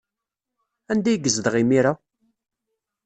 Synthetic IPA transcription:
ænd̪æjɡəzðəʁimiɾa

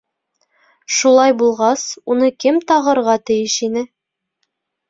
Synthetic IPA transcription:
ʃulˠɑjbulˠʁɑsunɤkɘmt̪ɒʁɤ̆ɾʁɑt̪ɘ̆jɘʃinɘ

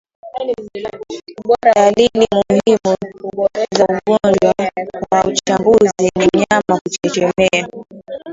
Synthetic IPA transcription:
ɗalilimuhimu | zauɠɔɲd͡ʒwawaut͡ʃambuzinimɲamakut͡ʃɛt͡ʃɛmɛa

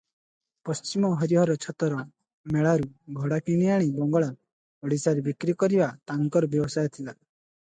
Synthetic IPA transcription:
pɔst͡ʃimɔɦɔɾiɦɔɾɔt͡ʃʰɔt̪ɔɾɔ | meɭaɾuɡʱɔɽakiɽ̃ijaɽ̃ibɔŋɡɔɭa | ɔɽisaɾebikɾikɔɾibat̪aŋkɔɾɔbjɔbɔsajt̪ʰila

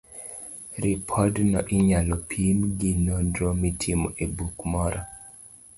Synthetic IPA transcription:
ɾipʰɔdnɔʔɪɲalɔpʰimɡɪnondɾomitʰimo̰ʔebukmɔɾɔ

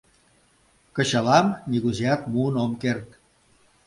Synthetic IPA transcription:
kə̆ɕəlɑmnʲiɣuziɑkmunomkert̪̚

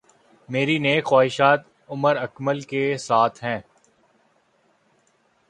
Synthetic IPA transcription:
meːɾineːkxwaːɦɪʃaːt̪̚ | ʊməɾɐkməlkesaːt̪ʰɦɛ̃ː

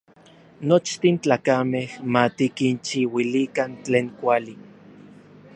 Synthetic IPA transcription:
not͡ʃt̪int͡ɬaːkamehmat̪ikint͡ʃiwilikant͡ɬeːŋkʷali

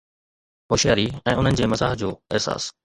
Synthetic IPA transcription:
ɦoːʃjaːɾiɛ̃ːʊn̤ənɪ̆d͡ʑeːmɐsaːɦd͡ʑoːɪɦsa̰ːs

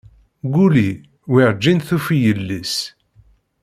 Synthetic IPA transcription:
ɡuli | wiɾd͡ʒːinθufijəlːis

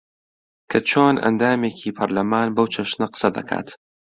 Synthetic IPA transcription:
kʰɐt͡ʃʰoːnʔɐ̰nd̪aːmeːcʰiːpʰɐɾlɐmaːnbɐwt͡ʃʰɐʃnɐqɨ̥sɐd̪ɐ̰kʰa̰ːt̪

